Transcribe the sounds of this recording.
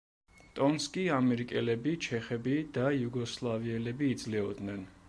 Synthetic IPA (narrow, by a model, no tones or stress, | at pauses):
t̪ʼɔnskʼiamɛɾikʼɛlɛbit͡ʃʰɛχɛbid̪ajuɡɔslˠaviɛlɛbiːd̪zlɛɔd̪nɛn